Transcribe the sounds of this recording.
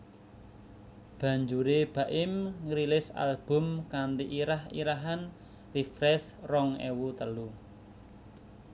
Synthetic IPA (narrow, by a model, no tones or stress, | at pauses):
b̥ä̤ɲd͡ʒuɾeb̥ä̤ʔɪmŋɾilɪsa̰lb̥ʊ̤mkand̪iʔiɾahḭɾaɦan | rifɾɛsrɔŋḛwut̪əlu